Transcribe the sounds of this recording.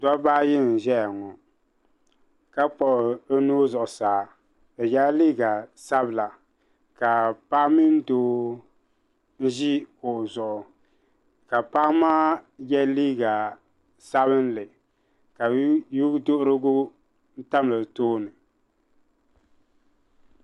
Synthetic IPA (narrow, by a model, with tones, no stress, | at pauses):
da˦baː˦jɪ˦˨ʒɛ˦ja˨ŋɔ˨ | ka˦k͡pɔ˨o˦noː˦zʊ˨ʔʊ˨saː˨ | ɛ˨jɛ˦liː˦ɡa˨sa˦bla˨ | ka˨pa˦mi˦n˦doː˦ | n̩˦ʒi˦kʊ˨ʔzʊ˨ʔʊ˨ | ka˨pa˦maː˦jɛ˦liː˦ɡa˨ | sa˦bɨ˦n˦lɨ˨ | ka˨ju˦do˦ʔʊ˦ɾɨ˦ɡʊ˦ | n̩˦ta˦m˨lɨ˨toː˦nɨ˨